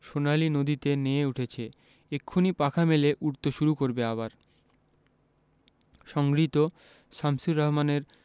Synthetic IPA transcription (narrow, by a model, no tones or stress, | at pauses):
ʃonalinod̪it̪eneeuʈʰet͡ɕʰe | ekʰːonipakʰameleʔuɾt̪oʃuɾukoɾbeabaɾ | ʃɔŋɡɾit̪o | ʃamsuɾɔɦmaneɾ